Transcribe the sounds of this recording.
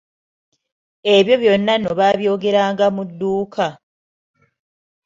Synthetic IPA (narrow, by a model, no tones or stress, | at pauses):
e̞βjo̞βjo̞nːano̞βaβjo̞ːɡe̞ɾaːŋɡamudːuːkʰa